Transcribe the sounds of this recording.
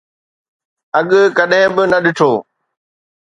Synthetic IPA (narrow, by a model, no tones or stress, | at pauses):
ɐɠkɐɗɦɪ̃bɪnɐɗɪʈʰoː